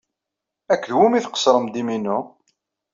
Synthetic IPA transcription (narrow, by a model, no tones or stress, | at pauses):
ækːðwumiθqə̥sɾˤəmd̪iminːu